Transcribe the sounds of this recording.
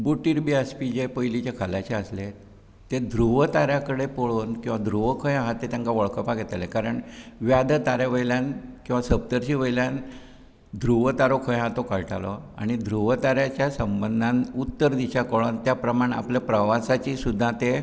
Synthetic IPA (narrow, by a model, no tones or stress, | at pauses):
buʈiɾbiaspid͡ʑepəjlit͡ɕakʰəlaɕeəsle | t̪ed̪ʱɾuʋət̪aɾjakəɽepoɭonkĩw̃ʋad̪ʱɾuʋəkʰə̃jɦat̪ːet̪jãŋkaʋəɭkəpaɡʱɛt̪alẽkaɾəɳʋjad̪ət̪aɾjaʋəjljãnkĩw̃ʋasəb̚t̪əɾɕiʋəjljãn | d̪ʱɾuʋət̪aɾokʰə̃jɦãt̪okaɭʈalɔ̰a̰ɽ̃id̪ʱɾuʋət̪aɾjat͡ɕjasəmbənd̪ʱãnut̪ːəɾd̪iɕakəɭont̪japɾəmaɳ̃a̰pljapɾəʋasat͡ɕisud̪ʱːãt̪e